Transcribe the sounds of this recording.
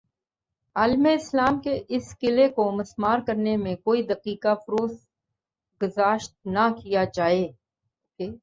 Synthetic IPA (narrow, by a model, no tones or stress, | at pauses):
aːlmeɪslaːmkeʔɪskɪlekomɐsmaːɾkɐɾnemẽkoːid̪ɐqiːkafʊɾoːs | ɡʊzaːʃt̪̚nɐkijad͡ʒaːeː | eː